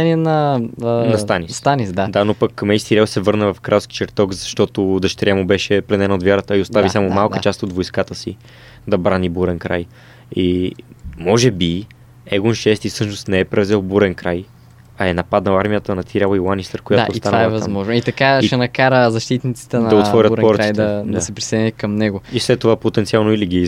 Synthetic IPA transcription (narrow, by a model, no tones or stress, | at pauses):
ɛniɛnɐnɐsanisst̪anisd̪ad̪anopəkmɛjst̪iɾʲjalˠsɛvɤɾnəvɐfkɾʔalˠski̥t͡ʃɛɾt̪ɔkzɐʃt̪ɔt̪od̪ɐʃt̪ɾʲjamobɛʃɛplɛnɛnod̪vʲjaɾət̪əiost̪avisamʊmalˠkət͡ʃast̪od̪vojskat̪əsi | d̪ɐbɾanibuɾɛnkɾaj | i | mɔʒɛbi | ɛɡonʃɛst̪isɤʃnost̪nɛɛpɾɛvzɛlˠbuɾɛnkɾaj | ɐɛnɐpad̪nɐaɾmijət̪ənɐt̪iɾʲalɐilˠanisəɾkojaoːst̪anaɛvɐmɔʒnoit̪ɐkaiʃɛnɐkaɾəzɐʃt̪it̪nit̪si̥t̪ɛnnɐd̪ɐot̪vɔɾjət̪pɔɾət̪it̪ɛɐd̪ɐsɛpɾi̥sɛɛnɛkɐmnɛɡʊislɛt̪ːovapot̪ɛnt̪sialˠnoiliɡi